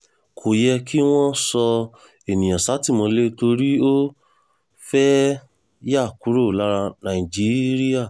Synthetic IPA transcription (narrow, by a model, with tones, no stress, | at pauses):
kʰo˨jɛ˧ki˦w̃ɔ̃˦sɔ˧ | e˨nĩ˨j̃ã˨sa˨˦ti˦˨mõ˧le˦to˧ɾi˦o˦ | fɛ˦ | ja˦˨ku˨˦ɾo˦˨la˦ɾa˧nã˨i˨d͡ʒi˨˦ɾi˦a˦˨